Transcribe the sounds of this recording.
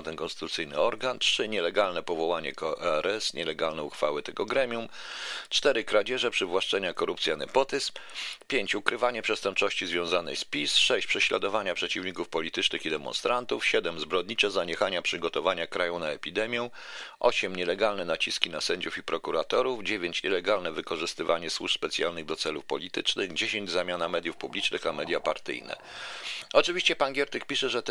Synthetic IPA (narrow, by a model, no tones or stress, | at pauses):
t̪ɛnkɔnst̪ɘ̥t̪ut̪sɘjnɘ̰ɔɾɡantʂɘɲɛlɛɡalnɛpɔvɔwaɲɛ̰kɔʔɛɾɛsɲʔɛlɛɡalnɛuxfawɘt̪ɛɡɔɡɾɛmʲjum | t͡ʂt̪ɛɾɘkɾad͡ʑɛʐɛpʂɘvwaʂt͡ʂɛɲakɔɾupt̪sʲjanɛpɔt̪ɘspʲjeɲt͡ɕukɾɘvaɲɛpʂɛst̪ɛmpt͡ʂɔɕt͡ɕizvʲjɔ̃w̃zanɘ̰jspʲisʂɛɕt͡ɕpʂɛɕlad̪ɔvaɲapʂɛt͡ɕivɲikufpɔlʲit̪ɘt͡ʂnɘxid̪ɛmɔ̰nst̪ɾant̪ufɕɛd̪ɛmzbɾɔd̪ɲit͡ʂɛzaɲɛxaɲapʂɘɡɔt̪ɔvaɲakɾajɔwnaɛpʲid̪ɛmʲjɛ̃ | ʔɔɕɛmɲɛlɛɡalnɛnat͡ɕiskʲinasɛɲd͡ʑufipɾɔkuɾat̪ɔɾuvd͡ʑevʲjeɲt͡ɕɲɛlɛɡalnɛvɘkɔʐɘst̪ɘvaɲɛswuʂspɛt̪sʲjalnɘɣd̪ɔt̪sɛlufpɔlʲit̪ɘt͡ʂnɘɣd͡ʑeɕeɲd͡ʑzamʲjanamɛd̪ʲjufpublʲit͡ʂnɘxamɛd̪japaɾt̪ɘ̰jnɛ̰ | ɔt͡ʂɘvʲiɕt͡ɕɛpaŋɡʲɛɾt̪ɘkpʲiʂɛʐɛt̪